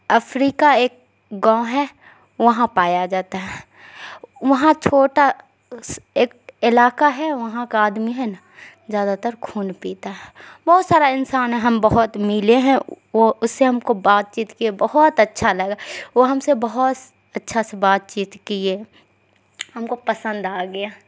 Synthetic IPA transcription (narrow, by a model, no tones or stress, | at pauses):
ɐfʰɾiːkaeːk̚ | ɡãːʊ̃ɦɛ | ʋɐɦãpaːjad͡ʒaːt̪aɦɛ | ʋɐɦãt͡ʃʰoːʈa | seːk̚ɪlaːkaɦɛʋɐɦãkaaːd̪miɦɛna | zjaːd̪at̪əɾkʰuːnpiːt̪aɦɛbɔːʊt̪saːɾaɪnsaːnɦɛ̃ɦɐmbɐɦʊt̪mɪleɦɛ̃ | oʊsːeɦɐmkobaːt̪̚t͡ʃiːt̪kiebɐɦɔt̪ɐtːʃʰalɐɡaʋoɦɐmsebɐɦʊt̪ | ɐtːʃʰasebaːt̪̚t͡ʃiːt̪kie | hɐmkopɐsə̃nd̪aːɡɐjaː